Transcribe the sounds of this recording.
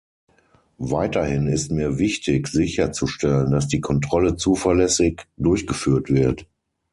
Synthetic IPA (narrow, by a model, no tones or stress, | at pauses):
vaɪtɐhɪnɪstmiːɐvɪçtʰɪçz̥ɪçɐt͡suʃtɛləndas̬d̥iːkʰɔntʁ̥ɔlət͡suːfɐɐlɛsɪçd̥ʊɐçɡ̥əfyːɐtv̥ɪɐt